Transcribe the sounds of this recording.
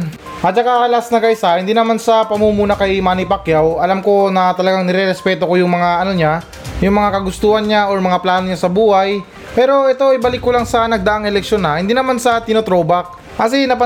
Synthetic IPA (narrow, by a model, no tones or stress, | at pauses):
ʔɐt͡ʃɐkakɐlaasnɐɡɐʔɪsahɪnd̪iːnɐmansɐpɐmumuːnɐkɐjmaːnipɐkjawʔɐlamko̞nɐt̪ɐlɐɡaŋnɛɾɛɾɛspɛt̪oko̞jʊŋmɐŋaʔɐno̞ɲa | jʊŋmɐŋakɐɡʊst̪uːhɐnɲaʔoɹmɐŋaplaːno̞ɲasɐbuːhaj | pɛːɾo̞ʔɛt̪o̞ɪbɐlɪkːolaŋsɐnɐɡ̚d̪ɐʔaŋɛlɛk̚ʃjo̞nahɪnd̪iːnɐmansɐt̪ɪnot̪ɾo̞ːbak̚ːɐsɛnɐpɐ